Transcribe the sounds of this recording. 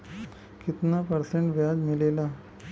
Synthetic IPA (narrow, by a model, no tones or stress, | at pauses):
kit̪napəɾsẽɳʈʋjad͡zmilela